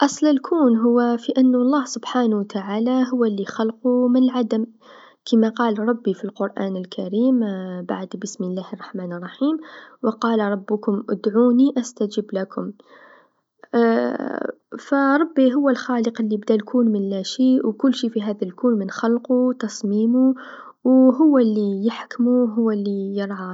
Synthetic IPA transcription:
ʔɑsˤlɪlkʰuːnɦʊwːafiʔanːlˤːɑːhsʊbħaːnt̪aʕaːlaɦʊwːalːixɑlqumɪnlʕad̪əm | kʰamaqɑːlɾˤɑbːifilqʊɾˤʔa̰ːnɪlkʰaɾiːmba̰ʕd̪bɪsmɪlːaːhɑrˤːɑħmaːnɑrˤːɑħiːmwəqɑːlɾˤɑbːʊkʊmʔʊ̰d̪ʕuːniʔast̪ad͡ʒɪblakʰʊm | fæɾˤɑbːiɦʊwːəlxɑləqəlːibd̪ælkuːnmənlæʃiwkʊlːʃifiɦæd̪ælkuːnmənxɑlqut̪ɑsˤmiːmu | wɦʊwːælːijəħkmuɦʊwːælːijəɾˤʕɑ

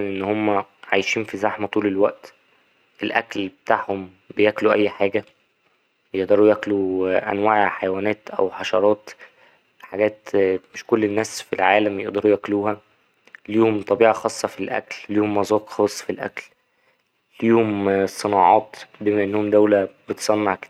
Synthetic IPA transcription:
ænʔenːhomːæʕajʃiːnfizaħmæt̪ˤuːlelwæʔt̪ | ʔelʔæklbet̪aːʕhom | bejækluʔæjːħaːɡæ | jeʔd̪ɑɾˤujækluʔæ̰nwaːʕʕħajæwæːnæːt̪ʔæ̰wħɑʃɑɾˤɑːt̪ | ħaɡæːt̪meʃkolːenːæːsfilʕaːlæmjeʔd̪ɑɾujækluːhæ | liːhomt̪ˤɑbiːʕɑxɑːsˤːɑfilʔæ̰klliːhomːɑzˤɑːt̪xɑːsˤːfilʔæ̰kl | liːhomsˤenɑːʕɑːt̪bemæʔenːohomd̪æwlæb̥et̪sˤɑnːɑʕke̥d̪æ

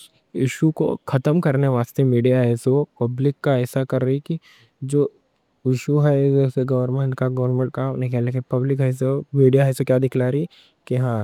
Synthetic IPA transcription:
ɪʃuko̰xʰɐt̪əmkɐɾneʋaːst̪emiːɖijaɦɛːsopɐblɪkːaɛːsakɐɾːɐiki | d͡ʒoː | ɪʃuɦɛseɡɐʋəɾmẽkaɡɐʋɾnmẽɳʈ̚kãːnẽkɛlekepɐblɪkɦɛs̬omiːɖijaɦɛːsokjaːd̪ɪkʰlaːɾi | kiɦãː

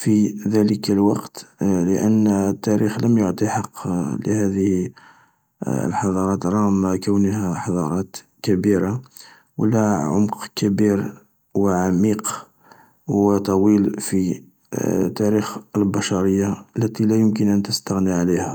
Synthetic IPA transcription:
fiðæləkəlwɑqt̪ləʔənːət̪ːæɾixləmjoʕt̪ˤiħɑqːlə̰hæd̪əh | ə̰lħɑd̪ˤɑɾˤɑt̪ɾˤɑmːakəwnəhæħɑd̪ˤɑɾˤɑt̪ | kæbiɾa | wə̰lːæʕʊmqkæbiɾ | wʕamiq | wət̪ˤɑwilfi | t̪æɾixəlbɑʃɑɾəjːaəlːæt̪ilæjʊmk̬ənʔænt̪əst̪əɣniʕalihæ

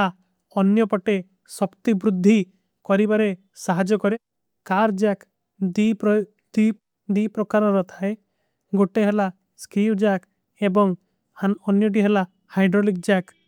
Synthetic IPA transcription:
a | ɔnjɔpɔʈe | sɔpt̪ibɾud̪ʱːi | kɔɾibaɾe | saɦad͡ʒɔkɔɾe | kaɾd͡ʒak̪ | i | d̪i | d̪ipɾɔkaɾɔɾɔt̪ʰae | ɡoʈeɦela | skɾiwd͡ʒak | ebɔŋ | aɔnjɔʈ̬iɦela | hajɖɾolik̚d͡ʒak

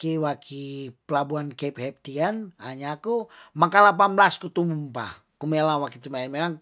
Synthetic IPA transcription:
kewakʰipəlabuankep̚hɛp̚t̪ianaɲakumakalap̬amblaskut̪umumpa̰ | kumelawakit̪umaimemaŋ

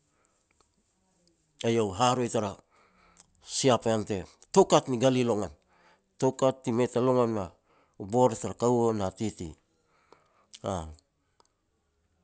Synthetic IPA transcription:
ejowɦaɾojtaɾa | siapaante̞tokatniɡalilo̞ŋan | tokatːimetaloŋanna | uboɾetaɾakawonatitḭ | a

